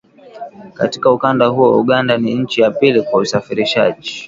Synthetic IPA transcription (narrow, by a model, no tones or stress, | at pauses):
katikaukandahuɔṵɠandaniɲ̩t͡ʃijapilikwausafiɾiʃa̰ʄi